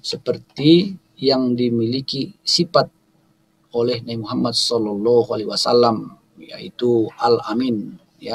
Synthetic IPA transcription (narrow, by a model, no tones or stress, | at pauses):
səpərt̪i | jaŋdimilikisifat̪̚ | olɛhnabimuɦamːad̪̚sɔlɔlːɔɦualiɦwasalːam | ja̰it̪uʔalamin | ja